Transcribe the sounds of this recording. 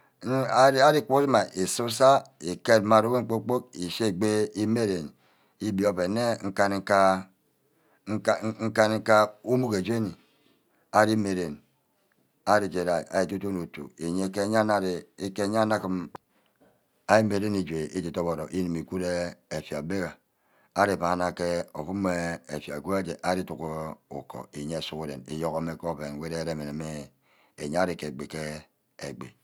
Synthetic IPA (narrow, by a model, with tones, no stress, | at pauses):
a˦a˦ɾi˦˨k͡pu˦si˦ma˨ʔe˨su˦sa˦e˨ke˦˨tma˨ɾo˦we˦ŋ͡m̩˨k͡po˦k͡po˦k̚i˨ʃe˦˨ɡ͡be˦i˦me˦ɾe˨n | i˦bi˨o˦pe˨ne˦ŋ̩˦ka˦n˨˦ka˦˨˦ | ŋ̩˦ka˦n˦ŋ̩˦ka˦u˦mu˦ke˨d͡ʒe˦ni˨ | a˨ɾi˦me˨ɾe˨n | a˦ɾi˨d͡ʒe˨ɾa˨i˨a̰˨ji˨tu˦tu˦nu˨tṵ˨e˨ɲe˨˦ke˦ɲa˦na˦ɾi˨˦ke˦ɲ˦a˦na˦ki˦m | a˦ji˦m˦e˨ɾe˦ni˨d͡ʒʷe˨ʔi˦d͡ʒi˨to˦bo˨ɾo˨ʔi˦ni˨mi˨ku˦ɾe˦e˨fi˨a˨be˦ɣa˨ | a˦ɾi˨pa˨na˦˨ke˦o̰˨fu˦m˦e˦e˨fja˨ku˦e˦d͡ʒe˨ʔa˦ɾi˦tu˨ko˦ṵ˨ko̰˨i˨ɲe˦˨su˦ku˦ɾḛ˨nḭ˨jo˦ko˦me˦ko˦˨be˨n˨we˦ɾe˦ɾe˦˨me˨ne˨me˦ | e˨ɲ˦a˦ɾi˨ke˨ɡ͡be˨ke˦ | e˨ɡ͡bḛ˨